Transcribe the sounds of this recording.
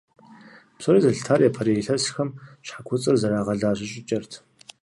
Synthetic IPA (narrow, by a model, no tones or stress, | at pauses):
psʼoriːzɐɬtʰaːrjapʰɐɾeɬɐsxɐmɕħakʷʰʊt͡sʼɨrzɐɾaːʁɐɮaːɕʼɪɕʼɪt͡ʃʼɐrtʰ